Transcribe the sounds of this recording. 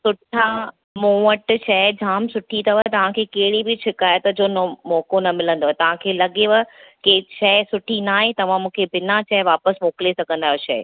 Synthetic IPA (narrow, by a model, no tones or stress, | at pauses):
sʊʈʰa | mõːəʈʃɐd͡ʑʱaːmsʊʈʰit̪ʰɐʋət̪ɐʋ̤ãkʰeːkɐɦɪɽibɪt͡ɕʰɪkaːjət̪d͡ʑoːnomɔːkonɐmɪlə̃nd̪oːɦt̪ɐʋ̤ãkʰeːlɐɠeʋəkeʃɐsʊʈʰinaːɦet̪ɐʋ̤ãmũːkʰebɪnat͡ɕʰɐʋaːpəsmoːklesɐɡʱə̃n̆d̪aːɦoʃɐː